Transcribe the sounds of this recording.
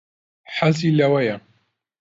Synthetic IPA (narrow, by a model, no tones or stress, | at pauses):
ħaziːlɐwɐjɐ